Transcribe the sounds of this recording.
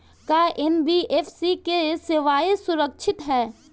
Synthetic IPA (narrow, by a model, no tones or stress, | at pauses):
kaːʔenbiʔeːfʰsikesɪʋaːesʊɾəkʃʰɪt̪ɦɛː